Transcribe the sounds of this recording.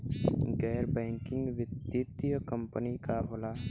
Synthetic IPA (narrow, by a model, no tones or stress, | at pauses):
ɡɛːɾbɛ̃ːŋkɪ̃ŋɡʋɪd̪jit̪ijəkə̃mpənikaɦoːla